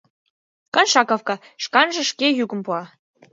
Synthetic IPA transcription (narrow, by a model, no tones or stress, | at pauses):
kɤ̆nʃɑkofkɑ | ʂkɑnʒə̆ʃkʲejuɡə̆mpuɑ